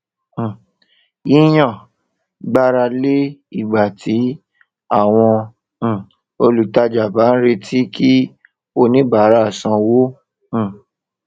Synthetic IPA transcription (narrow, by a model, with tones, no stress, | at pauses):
i˦j̃ã˦˨ | ɡ͡ba˦ɾa˧le˦i˦˨ɡ͡ba˨tʰi˨˦ | a˦˨w̃ɔ̃˧˦˨ | o˧lu˨ta˧d͡ʒa˨ba˨˦n̩˦ɾe˧tʰi˦ki˦ | o˧nĩ˦ba˨˦ɾa˦˨sã˧wõ˦˨